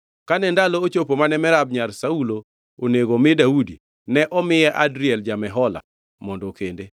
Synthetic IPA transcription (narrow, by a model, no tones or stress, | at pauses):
kanɛndalɔt͡ʃopomanɛmɛɾab̚ɲarsaulo | oneɡomɪdaudi | nɛʔɔmɪjɛʔadɾɪɛld͡ʒamɛɦɔla̰ | mɔndokende